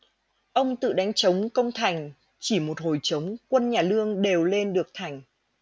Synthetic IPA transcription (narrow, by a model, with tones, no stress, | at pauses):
ʔə˧wŋ͡mt̪ɨ̰˧˨ɗa˨˦jŋ̟t͡ɕə˨˦wŋ͡mkə˧wŋ͡mt̪ʰa˨˩jŋ̟ | t͡ɕi˧˩mo˨˩t̚ɦo˨˩jt͡ɕə˨˦wŋ͡mkwə˧nɲaː˨˩lɨ˧əŋɗe˨˩wle˧nɗɨ˨˩ək̚t̪ʰa˨˩jŋ̟